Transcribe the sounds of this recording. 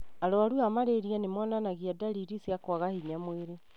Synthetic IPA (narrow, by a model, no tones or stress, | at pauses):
aɾoaɾuamaɾeɾiɛnemɔnanaɣiadaɾiɾisjakwaɣahiɲamweɾe